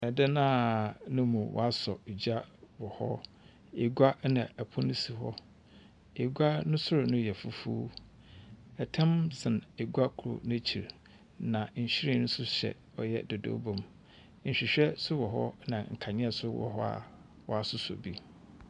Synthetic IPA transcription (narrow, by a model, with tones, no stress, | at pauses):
ɛ˨dɛ˦nãː˦nʊ̃˦mũ˨wʔɔ̰˨a˦sɔ˨d͡ʑa˦wɔ˨hɔ̰˦ | e˨ɡa˦nã˨æ˨pʰɔ˦nɪ̃˦si˨ɦɔ˦ | e˨ɡʷa˦nʊ̃˦sʊ˦ɾʊ˨nʊ̃˦jɛ˨fu˦fu˦ | ɛ˨tʰɛ̃˦msɪ̃˨ne˨ɡu˦a˦kʰʊ˨ɾʊ̰˨nɪ̃˦t͡ɕʰi˨ɾ | nã˨ɲ̩˨ɕɪ˦ɾi˦nʊ̃˦sʊ˦ɕɛ̰˨ | ɔ˨jɛ̰˦do˨do̰˦bõ˨m̩˦˨ | ɕᶣi˨ɕᶣɛ˦sʊ˦wɔ˨ɦɔ̰˦nã˨ŋ̩˨kʰa˨ɲɪ̃˦ɛ˦˨sʊ˦wɔ̰˨ɦɔ˦a̰˨ | wɔ˨a˨sʊ˦sɔ̰˨bi˦